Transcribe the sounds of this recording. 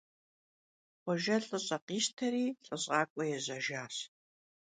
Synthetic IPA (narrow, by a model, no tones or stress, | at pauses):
qʷɔʒɐɬʼɨɕʼɐqiːstʰɐɾiːɬʼɨɕʼɑːkʷʼɔjɛʑɐʒaːs